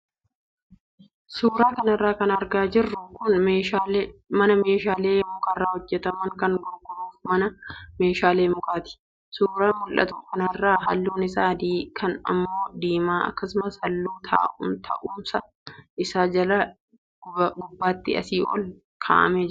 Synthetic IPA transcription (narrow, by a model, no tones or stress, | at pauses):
suːɾaːkɐnɐrːaːkɐnɐɾɡaːd͡ʒɪrːʊkʊneːamɐnɐme̞ːʃaːleːmʊkɐrːaːhɔd͡ʒːɛt̪ɐmɐŋkɐŋɡɔɾɡɔɾuːfmɐnɐme̞ːʃaːleːmʊkaːt̪ɪ̥ | suːɾaːmʊlʔɐ̰t̪ʊkɐnɐrːaːɦɐlːuːnɪsaːd̪iːkʰɐnɐ̰mːo̞ːd̪iːmaːɐ̰kːɐsʊmɐsɐlːuːt̪ʰa̰ːʔʊnt̪ʰɐ̰ʔuːmsɐ | ʔɪsaːd͡ʒɐlɐ | ɡʊbːaːt̪ːɪɐ̰siːʔɔ̰l | kʰa̰ːʔɐ̰meːd͡ʒ